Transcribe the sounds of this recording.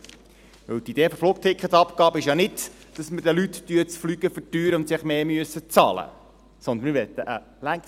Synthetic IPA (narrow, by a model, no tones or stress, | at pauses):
ʋɵwt̪id̥̪eːfofluk̚t̪ʰɪkχət̪ɑpkɑːbəɪʃjɑnɪd | d̥ɑsməd̥əlyttyːt͡sflyːɡ̥əfətyːɾəʊnt̪sɪχmeːmyəsət͡sɑ̰lə̰ | sɔnd̪ənmɪɾvɛt̪ːəʔə | læŋ